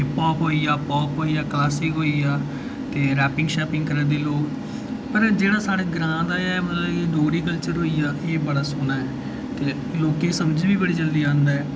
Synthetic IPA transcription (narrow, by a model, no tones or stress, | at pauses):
pɔːpɦoːiːaːpɔːpɦoːiːaːklaːsɪkɦoːiːaː | t̪eːɾɛːpɪ̃ŋɡʃaːpɪ̃ŋɡkəɾəːd̪eːloːk | pəɾd͡ʒeːɽaːsaːɽeːɡɾãːd̪aːjaːɛːmət̪ləbeɖoːɾiːkəlt͡ʃəɾɦoːiːjaːʔeːbəɽaːsʊnaːɛː | t̪eː | loːkẽːsəmd͡ʒbiːbəɽiːd͡ʒəld̪iːd͡ʒãːnd̪aːɛː